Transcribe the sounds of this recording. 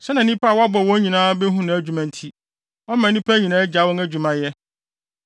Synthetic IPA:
sɛ˦nã˨˦nĩ˦pʰa˦˨wa˦bɔ˨wɔ̃˦ɲĩ˨nãː˦be˦ɦũ˦nã˨æ˦d͡ʑᶣu˨mã˨n̩˦tʰi˦ | ɔ˦mã˨˦nĩ˦pʰæ˦ɲĩ˨nãː˦ɛ˦d͡ʑa˨˦wɔ̃˦ŋæ˦d͡ʑᶣu˨mã˨jɛ˦

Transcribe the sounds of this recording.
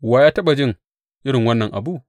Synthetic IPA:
waː˨jaː˦tɐ˦ɓa˨d͡ʒɪ˦ŋ | ʔɪ˦ɽɪ˨ŋwɐ˦nːɐ˨ŋʔa̰˨bu˦

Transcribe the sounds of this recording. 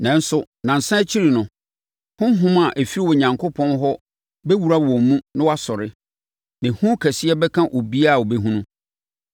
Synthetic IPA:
nɛ̃˨n̩˦sʊ˨ | nã˨n̩˨sã˦t͡ɕʰi˦ɾi˨nʊ̃˨ | hʊ̃˦ɦʊ̃˦ma˨ʔæ˨fi˦ɾi˦wɔ˨ɲã˨ŋkʰo˦pʰɔ̃˦nɦɔ˦ | bɛ˦wu˨ɾa˦wɔ̃˨mmũ˦nɪ̃˦wa˦sɔ˨ɾɪ˦ | nɪ̃˨hũ˦kʰæ˨si˦ɛ˦bɛ˦kʰã˦ʔo˨bi˦a˦˨o˨be˦ɦũ˦nʊ̃˦

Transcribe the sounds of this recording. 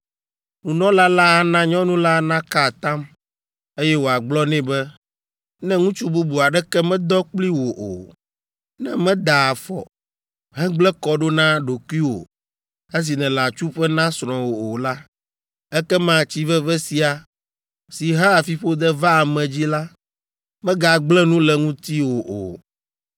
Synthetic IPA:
nũ˨nɔ̃˦la˦la˦ɦa˦nã˦ɲɔ̃˦nũ˦la˦nã˦ka˦˨t̪ã˦m | e˦jɛ˦wo˨a˨ɡ͡blɔ˦nɛ̃˦bɛ˦ | nɛ̃˦ŋũ˦t͡ʃu˦bu˦bu˨a˨ɖɛ˦kɛ˦mɛ̃˦d̪ɔ˦k͡pli˦wo˨ʔo̰˨ | nɛ̰̃˦mɛ̃˦d̪a˨a˨fɔ̰˨ | ɦɛ̃˦ɡ͡blɛ˦kɔ˦ɖo˦nã˦ɖo˨ku˦i˦wo̰˨ | e˦s̬i˨nɛ̃˨la˨t͡ʃu˦ɸɛ˦nã˦sɾ̃ɔ̃˨wo˨o˨la˦ | ɛ˦kɛ˦mã˨t͡ɕi˦vɛ˦vɛ˦si˨a˨ | si˨ɦa˦a˨fi˦ɸo˦d̪ɛ˦va˦˨mɛ̃˨d͡ʑi˦la˦ | mɛ̃˦ɡa˨ɡ͡blɛ˦nũ˦lɛ˨ŋũ˦t̪i˦wo˨ʔo̰˨

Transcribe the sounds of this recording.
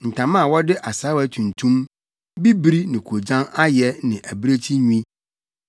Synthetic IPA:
n̩˨tʰã˨mã˦˨wɔ˦dɪ˦ʔa˨sa˨˦wæ˦tʰũ˨n˨tʰũ˦m | bi˦bɾi˦nɪ̃˨kʰo˨d͡ʑã˦na˦jɛ˦nɪ̃˨ʔæ˨bɾe˦t͡ɕʰi˦ɲu˦ĩ˦

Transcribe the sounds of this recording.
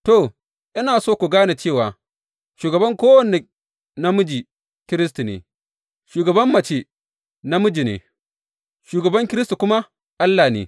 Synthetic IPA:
to˨ | ʔɪ˦naː˨soː˦˨kʷu˨ɡaː˦ne˨t͡ʃeː˦˨waː˨ | ʃuː˨ɡɐ˨bɐ˦ŋkʷoː˦wɐ˨ne˨ | na˦mʊ˦d͡ʒi˨ | kʲɪ˦ɾɪ˦stu˨nḛː˨ | ʃuː˨ɡɐ˨bɐ˦mːɐ˨t͡ʃe˦ | na˦mʊ˦d͡ʒi˨nḛː˨ | ʃuː˨ɡɐ˨bɐ˦ŋkʲɪ˦ɾɪ˦stu˨kʷʊ˦ma˦ | ʔa˦lːaː˨nḛː˨

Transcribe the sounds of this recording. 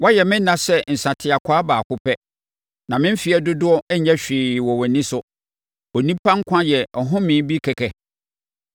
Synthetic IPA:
wɔ˦jɛ˨mɪ̃˦n˦nã˨sɛ˦n̩˨sã˨tʰɪ˨a˨kʷʰaː˦baː˨kʰʊ˦pʰɛ˦ | nã˨mɪ̃˦m̩˦fi˨˦ɛ˨dʊ˦dʊ˦ɔ˦ɛ˦ɲɛ˦ɕᶣiː˨wɔ˨wɔ˨nĩ˦sʊ˦ | o˨nĩ˦pʰã˦ŋ̩˦kʷʰã˦jɛ˨ɔ˨ɦʊ̃˦mɪ̃˨˦bi˦kʰɛ˨kʰɛ˨

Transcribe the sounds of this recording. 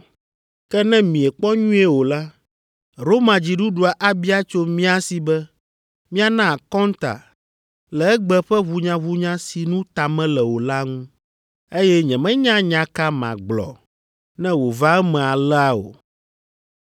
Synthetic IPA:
kɛ˦nɛ̃˦mĩ˨ɛ˨k͡pɔ˦ɲũ˦e˦wo˨la˦ | ɾo˦mã˨d͡ʑi˨ɖu˦ɖu˨a˨ʔa˦bi˦a˦t͡ʃo˦mĩ˦a˦si˨bɛ˦ | mĩ˦a˨nã˦˨kɔ˦nt̪a̰˨ | lɛ˨ɛ˦ɡ͡bɛ˦ɸɛ˦βu˨ɲã˨βu˦ɲã˦si˨nũ˦t̪a˨mɛ̃˦lɛ˨wo˨la˦ŋũ˦ | e˦jɛ˦ɲɛ̃˨mɛ̃˦ɲã˦ɲã˨ka˦mã̰˨ɡ͡blɔ̰˨ | nɛ̃˦wo˨va˦ɛ˦mɛ̃˨a˨lɛ˦a˦o̰˨

